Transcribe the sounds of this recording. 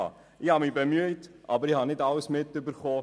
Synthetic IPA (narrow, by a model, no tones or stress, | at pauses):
ɑ̰ | ɪhɑmiːbəmyətʔɑbəɾihɑnɪtɑləsmɪtːʏbəɾχoː